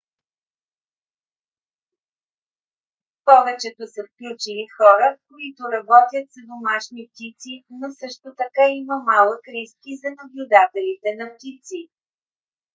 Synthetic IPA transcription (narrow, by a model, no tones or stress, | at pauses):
pɔvɛt͡ʃɛt̪osɐfklʲut͡ʃilixɔɾəfkoit̪oɾɐbɔt̪ʲjət̪sɐd̪omaʃnip̚t̪it̪sinosɤʃt̪ot̪ɐkaiməmalˠəkɾiskizɐnɐblʲʊd̪at̪ɛlit̪ɛnɐpt̪it̪si